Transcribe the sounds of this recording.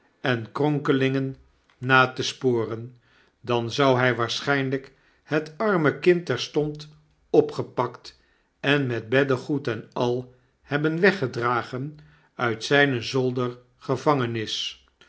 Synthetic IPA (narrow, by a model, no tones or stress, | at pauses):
ɛnkrɔŋkəlɪŋənː | aːtəspoːrən | dɑnzʌwɦɛjʋaːɹsχɛjnlək | hətɑɹməkɪntɛɹstɔnt | ɔpχəpɑkt | ɛnmɛd̚bɛdəχutɛnɑlˠ | hɛbənʋɛχədraːχən | œɥtsɛjnəzɔlˠdəɹ | χəvɑŋənɪs